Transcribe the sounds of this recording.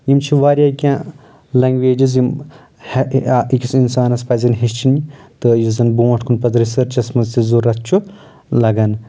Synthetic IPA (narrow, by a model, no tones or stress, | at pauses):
jimt͡ʃʰiʋaːɾʲjaːkʲãː | lɐŋɡʋeːd͡ʒizjim | hikʲisinsaːnɐspɐzɐnɦist͡ʃʰinit̪ɨjizɐnbuːɐʈʰkʰunpɐzɾisɐɾt͡ʃɐsmɐzt̪izuɾɐt̪̚t͡ʃʰu | lɐɡɐn